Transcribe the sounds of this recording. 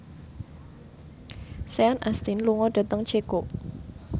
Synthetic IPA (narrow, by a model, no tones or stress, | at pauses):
seanʔast̪inluŋɔɖ̥a̤t̪əŋt͡ʃʰeko